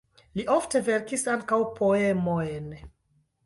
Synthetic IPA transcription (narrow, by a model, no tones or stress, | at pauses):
liʔofte̞ve̞ɾkisaŋkawpʰo̞emojn